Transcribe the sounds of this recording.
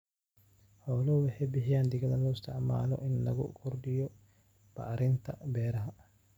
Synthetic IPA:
hɔːlɔwɑħɛjbɪħɪjaːnd̪ɪɣɐðɐlɔɪst̪ʰɪʕma̰ːlɔ̰ʔɪnːɐ̰ɣʊ̰kʰʊrɖɪjɔ | b̥ɐ̰ʕɾɪnt̪ʰɐbɛːɾɐɦɐ

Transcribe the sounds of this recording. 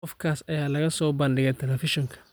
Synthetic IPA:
ɔfkʰaːsɐjaːlɐɣɐsɔːbɐnɖɪɣɛt̪ʰɛlɛfɪʃɔŋkʰɐ̥

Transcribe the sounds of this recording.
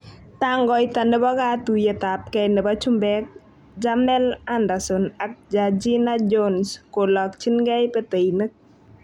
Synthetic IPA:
t̪aŋɡɔjt̪anəbakat̪ujet̪ap̚kɛnəbat͡ʃumbɛk̚ | d͡ʒamnɛlandasɔnak̚d͡ʒad͡ʒinad͡ʒonskolɔkt͡ʃinɡɛjpet̪ejnək̚

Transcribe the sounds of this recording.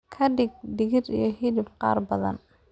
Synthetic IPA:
kʰɐɖɪɡ̚ɖɪɣɪɾḭjɞɦiðɪbqɑ̰ːrbɐðɐ̰n

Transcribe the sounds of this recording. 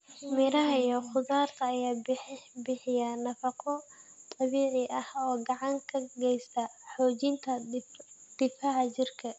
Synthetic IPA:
mɪɾɐɦɐijɔχʊðaːrt̪ʰɐːjaːbɪħbɪħɪjɐnɐfɐqʰɔt̪ʼɑβiːʕɪʔɐhɔːɡɑʕɑŋkʰɐɡɛjst̪ʰɐħɔːt͡ʃɪnt̪ʰɐ | d̪̥ɪfaːʕt͡ʃɪrkʰɐ

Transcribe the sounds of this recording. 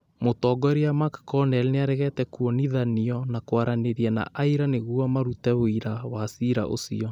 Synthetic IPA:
motɔːɡɔɛɾeamakkɔnɛlneaɾɛɣɛtɛkuɔniðaniɔnakwaɾaneɾiɛna̰ʔaiɾaneɣuɔmaɾutɛβoiɾawasiɾa̰ʔo̰sḭɔ

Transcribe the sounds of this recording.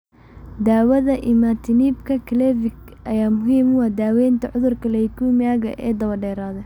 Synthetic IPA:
d̪aːwɐðɐʔɪmat̪ʰɪniːbkʰɐkʰɪlɛːvɪk | ʔɐjaːmʊɦiːmʊwɑːd̪aːwɛːnt̪ʰɐʕʊðʊrkʰɐlɛɪkʰumɪaːɣɐ̰ʔɛːd̪ɐβɐrɖɛːɾaːðɐ

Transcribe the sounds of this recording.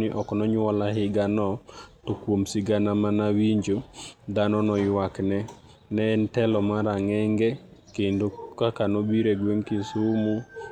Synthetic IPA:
nɪʔɔknɔɲwɔlaɦɪɡanɔtokwomsɪɡanamanawiɲd͡ʒod̪anɔnɔjwaknɛ | nɛːntɛlɔmaɾaŋɛŋɡɛkendokakanobiɾɛɡweŋkɪsumu

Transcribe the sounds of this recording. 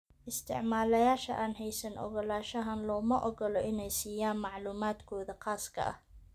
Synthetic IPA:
ʔɪst̪ʰɪ̰ʕmaːlɐjaːʃɐ̰ʔaːnɦɛjsɐnʔɔ̰ɣɔlaːʃɐɦɐnlɔːmɐʔɔɣɔlɔʔɪnɛjsiːjaːnmɑʕluːmaːd̪kʰɔːðɐqaːskʰɐ̰ʔɐ̰h

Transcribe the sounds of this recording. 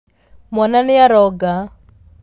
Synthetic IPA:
mwananɪaɾɔɡa

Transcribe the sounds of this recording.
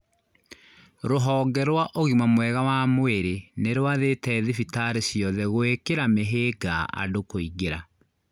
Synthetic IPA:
ɾoɦɔːɡɛɾwaʔoɣimamwɛɣawamweɾeneɾwaðetɛːðifitaɾesjɔðɛɣoekeɾameɦeɡaʔa̰dokoiɡeɾa

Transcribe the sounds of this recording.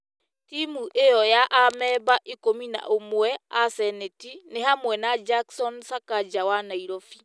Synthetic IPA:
timuʔejɔjaʔamɛbaʔikomina̰ʔomwɛasɛnetinehamwɛnad͡ʒaksɔnsakad͡ʒawanaiɾɔfi̥

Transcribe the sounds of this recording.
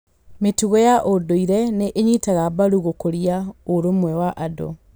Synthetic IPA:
metuɣɔjaʔodoiɾɛneʔeɲitaɣabaɾuɣokoɾiaoɾomwɛwaʔado̰

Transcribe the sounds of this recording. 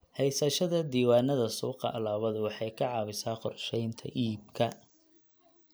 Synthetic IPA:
hɛjsɐʃɐðɐd̪iːwaːnɐðɐsuːqɑ̰ʔɐlaːβɐðʊwɑħɑjkʰɐʕɑːβɪsaːqɔrʃɛjnt̪ʰɐ̰ʔiːb̚kʰɐ

